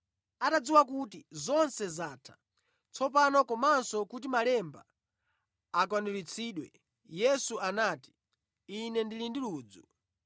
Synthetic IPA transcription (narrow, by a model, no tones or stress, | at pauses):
atad͡ziwak̬utizɔnsɛzaːtʰḁ | t͡sʰɔpanɔkɔmansɔkut̬imalɛmba̰ | akwanulit͡sʰiːɗwɛ | jɛsuanaːti̥ː | nɛndilindiluːd͡zu